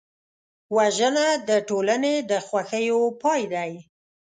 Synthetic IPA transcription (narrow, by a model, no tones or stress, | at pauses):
waʒənad̪əʈolaned̪əxwaxəjopɑjd̪aj